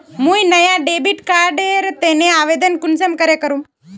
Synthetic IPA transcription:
muːjnəjaɖebiʈkaɾɖeɾt̪eneaʋed̪ənkunsemkəɾekəɾuːm

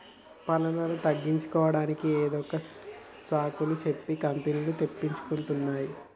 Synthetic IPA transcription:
pɐlɐlɐlut̪ɐɡːiɲt͡ʃu̥kɔːʋɐɽaːnikieːd̪ɔkːɐsaːkulut͡ʃe̞pːikɐmpenilut̪e̞pːiɲt͡ʃu̥kuɳʈunːaːji

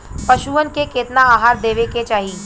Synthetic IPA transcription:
pɐʃuənkeket̪naaːɦaːɾd̪eːʋeket͡ʃaːɦiː

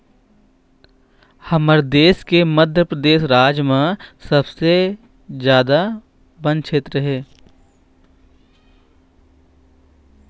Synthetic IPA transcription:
hɐməɾd̪eːskeməd̪ʱjəpɾəd̪eːʃɾaːd͡ʒmãsɐbse | zjaːd̪a | bə̃n̚kʃʰeːt̪ɾəɦɛː

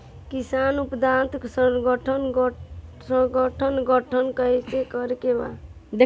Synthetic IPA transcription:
kisanupd̪ãnt̪ksəɡəʈʰənɡsə̃ɡəʈʰənɡəʈʰənkəjt͡ʃekəɾkeba̰ | d̪e

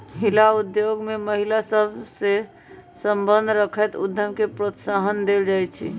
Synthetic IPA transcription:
ɦilaud̪joɡmeməɦilasəbse | səmbənd̪ʱɾəkʰɛt̪ṵd̪ʱjəmkepɾot̪saɦənd̪eld͡ʒajt͡ʃʰḭ

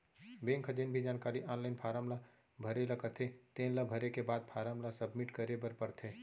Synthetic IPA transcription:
bẽŋkʰəd͡ʒenbʱid͡ʒaːnkaːɾiʔanlaɪnpʰaːɾəmla | bʱəɾeləkət̪ʰet̪ẽːnləbʱəɾekebaːd̪̚pʰaɾəmlasəbmiʈkəɾebəɾpəɾt̪ʰe

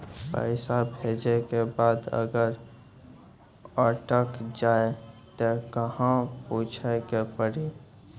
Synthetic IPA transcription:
pə̰ɪsabʱeːd͡ʒekebaːd̪ə̰ɡəɾ | əʈəkd͡ʒaːet̪ekəɦãpuːt͡ʃʰekepəɽi

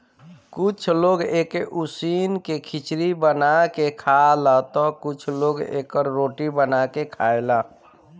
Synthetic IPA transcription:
kʊt͡ʃʰloɡekeʔusinkekʰit͡ʃɾibənakekʰalat̪ɔkʊt͡ʃʰloɡḛːkəɾːoʈibənakekʰaela

